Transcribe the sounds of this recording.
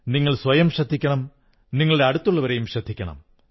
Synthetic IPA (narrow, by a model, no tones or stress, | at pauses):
niŋːɐɭsʋɐjɐmɕɐd̪ʱːikʲːɐɳɐm | niŋːɐɭeɐɽut̪ːuɭːɐʋɐɾejumɕɐd̪ʱːikʲːɐɳɐ̰m